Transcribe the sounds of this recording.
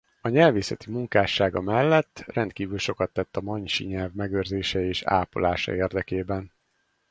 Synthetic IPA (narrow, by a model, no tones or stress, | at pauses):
ɒɲɛlveːsɛt̪imuŋkaːʃaːɡɒmɛlːɛt̪ːrɛnt̪kiːvylʃo̞kɒt̪ːɛt̪ːɒmɒɲʃḭɲɛlvmɛɡøːrzeːʃɛeːʃa̰ːpo̰laːʃɒ̰eːrd̪ɛkeːbɛn